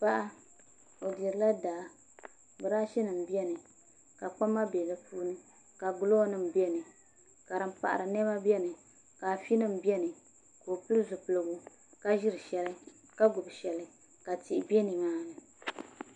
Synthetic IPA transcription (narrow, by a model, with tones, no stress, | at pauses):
pa˦ʔa˦ | o˨dɛ˨ɾɨ˨˦la˦daː˨ | bɨ˨ɾaː˦ʃɛ˦nɨ˨m̩˨bi˦ɛ˦nɨ˨ | ka˨k͡pa˦mːa˦bɛ˨lɨ˦pʰuː˦nɨ˦ | ka˨ɡʊ˦lo˦nɨ˦m̩˨bi˦ɛ˦nɨ˨ | ka˨ɾɨ˨m̩˦pa̰˨ʔa̰˨ɾɨ˨nɛ˦ba˦bɛ˦nɨ˨ | ka˨fi˦nɨ˦m̩˨bɛ˦nɨ˨ | koː˨pɨ˦lɨ˦zʊ˨pɨ˨lɨ˨ɡu˦ | ka˦ʒi˦ɾɨ˨ʃɛ˨lɨ˦ | ka˦ɡʊ˨bʃɛ˨lɨ˦ | ka˨ti˨ʔbɛ˦ni˨ŋaː˦nɨ˨